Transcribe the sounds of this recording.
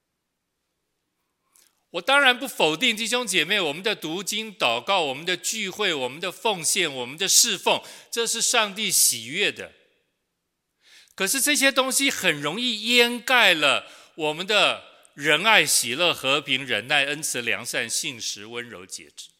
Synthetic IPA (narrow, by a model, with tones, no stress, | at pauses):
wɔ˨˩t̪ɑ˥ŋɻa˧˥npu˥˩fo˨˩ʊt̪i˥˧ŋt̪̬i˥˩ɕ̬jo˥ŋt͡ɕjɛ˨˩me˥˩ɪwɔ˨˩mə˦nd̪ə˧t̪u˧˥t͡ɕi˥ŋt̪ɑ˨˩ʊkɑ˥˩ʊwɔ˨˩mə˦nd̪ə˧t͡ɕy˥˧xwe˥˩ɪwɔ˨˩mə˦nd̪ə˧fɤ˥˧ŋɕjɛ˥˩nwɔ˨˩mə˦nd̪ə˧ʂɻ̩˥˧fo˥˩ŋʈ͡ʂɤ˥˧ʂɻ̩˥˧ʂɑ˥˧ŋt̪i˥˩ɕi˨˩ɥɛ˥˩d̪ə̰˩ | kʰɤ˨˩ʂɻ̩˥˧ʈ͡ʂɤ˥˩ɕ̬jɛ˥t̪ʊ˥ŋɕi˨xə˨˩nɻʊ˧˥ŋi˥˧jɛ˥nka˥˩ɪlə˩ | wɔ˨˩mə˦nd̪ə˧ | ɻə˧˥na˥˩ɪɕi˨˩lɤ˥˩xɤ˧˥pʰi˧˥ŋɻə˧˥nna˥˩ɪə˥nt͡sʰɹ̩˧˥ljɑ̰˧˥ŋʂa˥˧nɕi˥˩ŋʂɻ̩˧˥wə˦˥nɻo˧˥ʊt͡ɕjɛ̰˨˧˩ʈ͡ʂɻ̩̥˥˩